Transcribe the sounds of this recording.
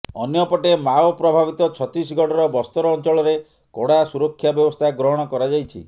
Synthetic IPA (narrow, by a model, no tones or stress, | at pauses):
ɔnjɔpɔʈemawpɾɔbʱabit̪ɔt͡ʃʰɔt̪ɾis̬ɡɔʈɔɾɔbɔst̪ɔɾɔːnt͡ʃɔɭɔɾe | kɔɽasuɾɔkʰːjabjɔbɔst̪ʰaɡɾɔɦɔɽ̃ɔkɔɾad͡ʒajt͡ʃʰḭ